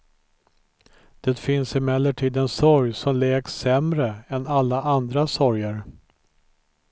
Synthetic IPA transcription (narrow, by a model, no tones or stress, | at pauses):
d̪̥ɛːt̪fɪnsɪmɛlːəʈʰiːd̪ɛnsɔɾjsɔmlɛːɡsɛmɾəɛnalːaʔand̪ɾasɔɾjəɾ